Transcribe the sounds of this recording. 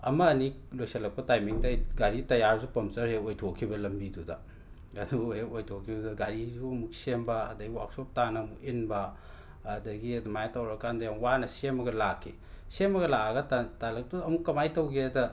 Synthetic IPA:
ɐmɐːni | lojsɐlɐk̚pɐtajmiŋtɐjɡaɾitɐjaɾzupɐmsɐɾheojtʰokʰibɐlɐmbidudɐ | ɐduɦekojtʰokʰːibɐduɡaɾizuɐmuk̚sembɐɐ̰dɐɡiwa̰ksop̚tanɐːmukinbɐː | dɐɡiɐdumajatɐwɾɐkandɐjamuwanɐsemɐɡɐlakʰːi | semɐɡɐlaaɡɐtatalɐk̚tuɐmukːɐmajtɐwɡeɐdɐ

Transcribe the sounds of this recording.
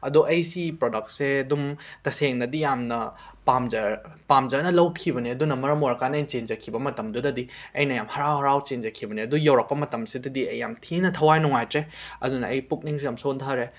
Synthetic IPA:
ɐduʔɐjsipɾodɐk̚tseɐdumtɐseŋnɐdijamnɐpamd͡ʒɐɾ | pamd͡ʒɐnɐlɐwkʰibɐniɐdunɐmɐɾɐmoɾɐkanɐjnt͡ʃend͡ʒɐkʰibɐmɐtɐmdudɐdiɐjnɐjamhɐɾawhɐɾawt͡ʃend͡ʒɐkʰibɐniɐdujɐwɾɐk̚pɐmɐtɐmsidɐdiɐjːamtʰinɐtʰɐwajnuŋajtɾeɐ̰dunɐɐjpuk̚niŋsijamsontʰaɾe

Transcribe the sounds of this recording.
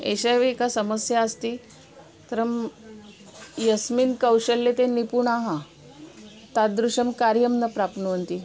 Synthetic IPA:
ḛɕajʋeekasəməsjaəst̪iː | t̪əɾəm | jəsminkəwɕəlːet̪enipuɳaɦã | t̪ad̪ɾuɕəmkaɾjəmnəpɾapnuʋənt̪i

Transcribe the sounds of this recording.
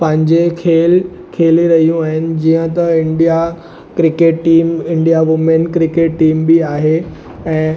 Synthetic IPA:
pɐ̃ɦɪ̃ɲd͡ʑekʰeːl | kʰeːliɾɐɦijũaːɦɪnɪ̆d͡ʑiːə̃t̪ɐɪ̃ɳɖija | kɾɪkeːʈːiːmɪ̃ɳɖijaʋʊmenkɾɪkeːʈːiːmbiaːɦe | ɛ̃ː

